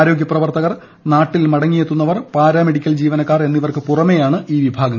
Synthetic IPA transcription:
ɾo̞ːɡjɐprɐʋɐrt̪ɐɣɐr | naːʈːilmɐɽɐŋːijet̪ːunːɐʋɐrpaːɾɐme̞ɽikʲːɐld͡ʑiːʋɐnɐkːaːre̞nːiʋɐrkɨpurɐmejaːɳɨʔiːʋibʱaːɡɐ

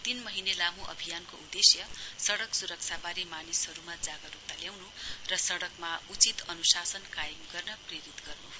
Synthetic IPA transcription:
t̪inmʌɦinelamũʔʌ̰bʱijankoud̪esjʌsʌɽʌksuɾʌk̚t͡sʰabaɾimanishʌɾumad͡zaɡʌɾut̪aljawnurʌsʌɽʌkmaut͡sit̪ʌnusasʌnkajʌmɡʌrnʌpreɾit̪ɡʌrnu

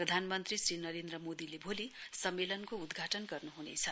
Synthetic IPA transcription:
prʌd̪ʱanmʌnt̪risrinʌɾend̪rʌmod̪ilebʱolisʌmːelʌnkoud̪ɡʱaʈʌnɡʌrnuɦunḛt͡sʰʌ

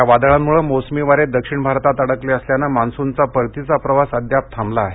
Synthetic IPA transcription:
aʋad̪ɭammuɭəmosmiʋaɾed̪əkʂiɳbʱaɾt̪at̪əɽəkleəsljanamansunt͡sapəɾt̪it͡sapɾəʋasəd̪jap̚t̪ʰamlaːɦe

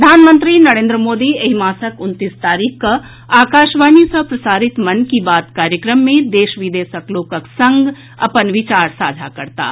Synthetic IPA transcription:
d̪ʱaːnmə̃nt̪ɾinɐɾẽːnd̪ɾəmoːd̪ieɦimaːsəkʊnt̪ist̪aːɾiːkʰkɐ | aːkaːʃʋaːnisəpɾɐsaːɾit̪mɐnkibaːt̪kaːɾjəkɾəmːẽd̪eːʃʋid̪eːsəkloːkəksə̃ŋɡ | ɐ̰pənʋɪt͡ʃaːɾsa̰ːd͡ʒʱakəɾt̪a̰ː

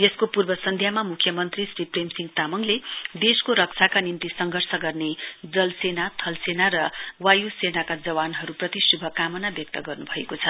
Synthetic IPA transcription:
jeskopurbʌsʌnd̪ʱjamamukʰːjʌmʌnt̪risripremsiŋɡt̪amʌŋled̪eskoɾʌk̚t͡sʰakanimt̪isʌŋɡʱʌrsʌɡʌrned͡zʌlsenat̪ʰʌlsenaɾʌwajusenakad͡zʌwanɦʌɾuprʌt̪isubʱʌkamʌnabjʌk̚t̪ʌɡʌrnubʱʌekot͡sʰʌ

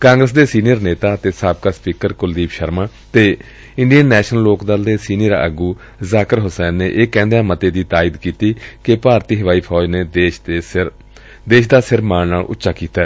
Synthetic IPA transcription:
kãːŋɡɾəs̬d̪eːsiːnɪjəɾneːt̪aːət̪eːsaːb̚kaːspiːkəɾkʊld̪iːpʃəɾmãː | t̪eː | ɪ̃ɳɖijənːɛːʃnəlloːkd̪əld̪eːsiːnɪjəɾə̰ɡuː | zaːkəɾɦʊsɛːnːeːʔeːkɛ̃ːnd̪eãːmət̪eːd̪iːt̪aːiːd̪kiːt̪iːkɪpaːɾt̪iːɦəʋaːiːpʰɔːd͡ʒneːd̪eːʃe | d̪eːʃd̪aːsɪɾmaːnnaːlʔʊ̰tːʃaːkiːt̪aɛː

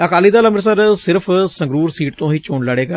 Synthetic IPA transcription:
əkaːliːd̪aːləmɪɾsəɾsɪɾəpʰsəŋɡɾuːɾsiːʈt̪õːɦiːt͡ʃoːɳləɽeːɡaː

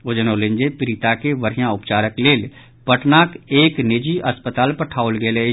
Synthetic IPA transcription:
ʊd͡ʒənoːlɪ̃ɲd͡ʒepɪɾɪt̪akeʋəɾjãʊpt͡ʃaːɾəkleːl | pəʈnaːkeːknɪd͡ʒiʔəspət̪aːlpəʈʰaːolɡele

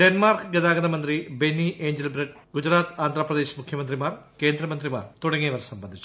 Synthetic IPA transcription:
ɖenmaːrkɡɐðaːɡɐðɐmɐnd̪ribenːiʔe̞ːɲd͡ʑelbɾɐɖɡ̥ud͡ʑɾaːt̪aːnd̪ʱrɐprɐðe̞ːɕmukʰjɐmɐnd̪rimaːrke̞ːnd̪rɐmɐnd̪rima̰ːrt̪uɽɐŋːijɐʋɐrsɐmbɐnd̪ʱit͡ɕːu

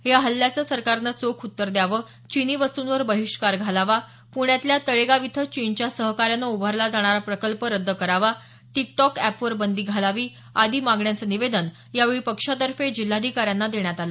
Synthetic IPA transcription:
ɦeaɦəlːjat͡səːsəɾkaɾnat͡sokʰut̪ːəɾd̪jaʋə | t͡ɕiniːʋəst̪unʋəɾbəɦiʂkaɾɡʱalaʋa | puɳ̃jat̪ljat̪əɭeɡaʋit̪ʰət͡ɕint͡ɕjasəɦkaɾjanəubʱəɾlad͡zaɽ̃aɾapɾəkəlpəɾəd̪ːəkəɾaʋa | ʈik̚ʈɔkæpʋəɾbənd̪iːɡʱalaʋiː | ad̪ʱiːmaɡɳjat͡səniʋed̪ən | jaʋeɭipəkʂat̪əɾfed͡ʑil̤ːad̪ʱikaɾjanːad̪eɳjat̪alə

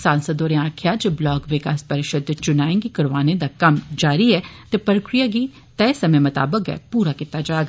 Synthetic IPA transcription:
saːnsəd̪oːɾeãːkʰjad͡ʒeːblɔːɡʋɪkaːspəɾɪʃəd̪t͡ʃʊnaːẽŋɡikɐɾʋaːned̪akɐmd͡ʒaːɾiɛːt̪epəɾəkɾijaɡiː | t̪ɛːsɐmemɐt̪a̰ːbəkɛ̰ːpuːɾakɪt̪ːad͡ʒaːɡː

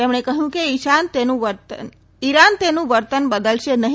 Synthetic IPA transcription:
emɳ̃ekəɦjũkeiʃant̪enũʋəɾt̪ə | iɾant̪enũʋəɾt̪ənbəd̪əlʃenəɦ

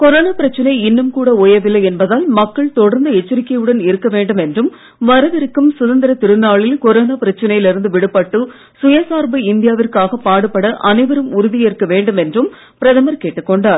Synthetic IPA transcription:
kɔɾoːnapɪɾɐt͡ʃːɐnɐɪɪnːɯmkuːɽɐoːjɐʋɪlːɐjɛnbɐðaːlmɐkːɐɭt̪ɔɽɐɾnd̪ɐɛt͡ʃːɪɾɪkːɐjɯɽɐnɪɾɯkːɐʋeːɳɖɯmɛndrɯm | ʋɐɾɐʋɪɾɯkːɯmsʊðɐnd̪ɪɾɐt̪ɪɾɯnːaːɭɪlkɔɾoːnapɪɾɐt͡ʃːɐnɐjɪlɪɾɯnd̪ɯʋɪɽɯpːɐʈːɯ | sʊjɐsaːɾbɐɪnd̪ɪjaːʋɪrkaːɣɐpːaːɽɯpːɐɽɐʔɐnɐɪʋɐɾɯmʊɾʊðɪjeɾkːɐʋeːɳɖɯmɛndrɯm | pɪɾɐðɐmɐɾkeːʈːɯkːɔɳɖaːɾ

